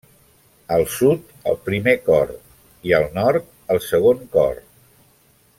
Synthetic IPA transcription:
əlˠsut̪ | ə̰lˠpɾimekɔɾ | iəlˠnɔɾt̪̚ | əlˠsəɣ̞oŋkɔ̰r

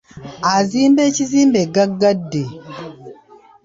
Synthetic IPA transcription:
ʔazimbɛt͡ʃizimbeɡaɡadːe

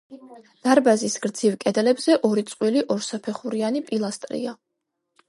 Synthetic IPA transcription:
d̪̥aɾbazisɡ̥ɾd̪z̥ivkʼɛd̪ɛlɛbzɛʔɔɾit̪sʼqʼwiliʔɔɾsapʰɛχuɾianipʼilˠast̪ʼɾḭa

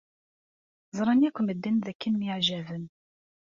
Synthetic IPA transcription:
zˤɾˤɑnjækʷːməd̪ːənðækːənmiʕʒævən

